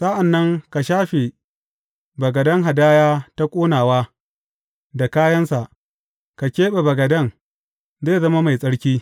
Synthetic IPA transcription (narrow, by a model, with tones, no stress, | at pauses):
sa˦ʔa˨nːɐ˦ŋka˨ʃaː˦ɸe˨ | bɐ˨ɡɐ˨dɐ˦ŋɦa˨daː˦jaː˦ta˦kʷʼoː˦naː˨waː˦ | da˨kaː˦jɐ˦nsa˨ʔ | ka˨kʲeː˦ɓe˨bɐ˨ɡɐ˨dɐ˦˨ŋ | zeː˦zɐ˦ma˦ma˨jsʼɐ˦ɽkʲiː˦